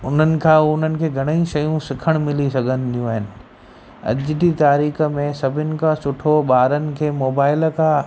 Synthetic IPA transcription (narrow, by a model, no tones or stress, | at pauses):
ʊn̤ənɪ̆kʰãʊn̤ənɪ̆kʰeɡʱɐɽ̃əĩʃɐjũsɪkʰəɽ̃mɪlisɐɡʱənɪ̆d̪ijũɦɪnɪ̆ | ɐ̰d͡ʒd̪it̪aːɾiːxmẽsɐbʱɪnɪ̆kasʊʈʰoɓaːɾənɪ̆kʰeːmoːbaːɪlka